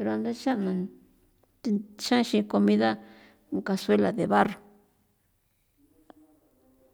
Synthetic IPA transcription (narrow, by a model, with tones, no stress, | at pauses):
pe˧ɾo˧a˧nd̪e˦ʃa˦nã˨˧ | ʃã˦ʃĩ˧ko˧mĩ˧ða˦ | ŋka˧swe˦la˨ðe˨βa˦ro˨